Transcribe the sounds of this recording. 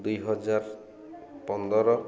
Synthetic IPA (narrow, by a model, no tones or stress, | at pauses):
d̪ujɦɔd͡ʒaɾ | pɔnd̪ɔɾɔ